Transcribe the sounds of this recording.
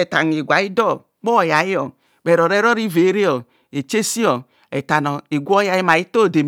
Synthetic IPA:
ɛ˨ta˨n˨e˨ɡʷa˨˦i˦dɔ˦˨ | k͡pɔ˦˨ja˨ji˦ɔ˨ | bɛ˨ɾɔ˨ɾɛ˦ɾɔ˦ɾi˦ve˨˦ɾe˦ɔ˨ | e˨t͡ʃe˦si˦ɔ˨ | ɛ˨ta˨nɔ˨i˨ɡʷɔ˦ja˨˦i˦ma˨i˦to˦˨de˨m

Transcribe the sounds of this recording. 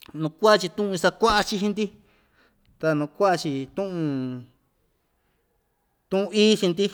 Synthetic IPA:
nũ˧kʷa˦a˦˧t͡ʃi˧t̪ũ˦ʔũ˧sa˧kʷa˦ʔa˧t͡ʃi˧ɦi˧nd̪i˦ | t̪a˧nũ˧kʷa˦ʔa˧t͡ʃi˧t̪ũ˦ʔũ˧ | t̪ũ˦ũ˧i˦t͡ʃi˧nd̪i˦

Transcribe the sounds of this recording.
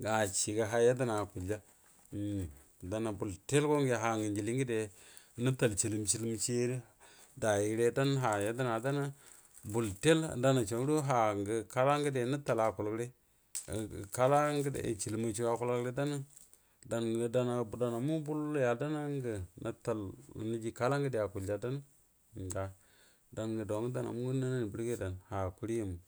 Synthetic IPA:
ɡa˨t͡ʃi˨ɡa˨ɦa˨ja˦di˦na˨ku˨d͡ʒa˦˨ | da˨na˨bu˨lte˦lko˦ŋ˦ɡe˨ɦa˨ŋɡə˨nd͡ʒi˨li˦ŋɡi˦de˨˦ | ni˦ta˨lt͡ʃi˨li˨mt͡ʃi˦lm˦t͡ʃe˦ɾi˦ | da˨ji˨˦ɾe˦da˦n˦ɦa˨ja˦di˦na˨da˦na˦ | bu˨lte˦l̰da˦na˨t͡ʃa˨˦ɾu˦ɦa˨ŋɡə˨ka˦la˦ŋɡə˦de˨ni˦ta˨la˨ku˨lkɾe˦˨ | ka˦la˦ŋɡd̰t͡ʃi˨lma˨t͡ʃi˦wa˨ku˦lo˦kɾe˦da˦na˦ | da˨nɡə˨da˦na˨bda˨na˨mu˦bu˦lja˨da˦na˦ŋ˦ɡə˨na˨ta˨l̰nə˦d͡ʒi˦ka˦la˦ŋɡə˦de˨a˨ku˨ld͡ʒa˨da˦n˦˨ | ɡa˨ | da˨nɡə˨do˨˦ɡə˦da˦na̰˨mu˦ŋɡə˦na˦na˦n˨bi˨ɾɡe˦da˨nha˨ku˦ɾji˨mu˨

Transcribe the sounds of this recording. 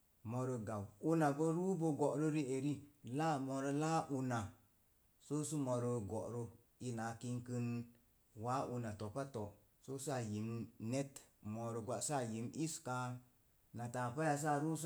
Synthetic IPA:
mo˧ɾə˧ɡa˨wu˦na˨ɡo˦ɾu˦bo˦ɡo˨ʔɾə˦ɾi˦e˨ɾi˦la˦mo˧ɾə˧la˦ʔu˧na˨ | so˦su˦mo˨ɾə˧ɡo˨ʔɾo˦ | i˧na˨ki˦ŋkɨ˦n | wa˦ʔu˧na˨to˨pa˦to˨ | so˦sa˦˨ji˨mne˦tmo˨ɾə˨ɡʷa˨ʔsa˦˨ji˨mi˦ska˧ | na˨ta˨pa˦ja˧s̬a˦˨ɾu˦s

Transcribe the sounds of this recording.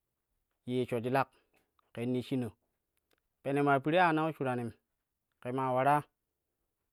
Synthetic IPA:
je˨t͡ʃo˨d͡ʒi˨˦la˦k̚ | ke˨˦nːi˦ʃi˦no˨ | pe˨ne˨ma˨ɾpi˨˦ɾe˦a˦˨na˦u˦t͡ʃu˨ɾa˨ni˨m | ke˨ma˨wa˨ɾa˦

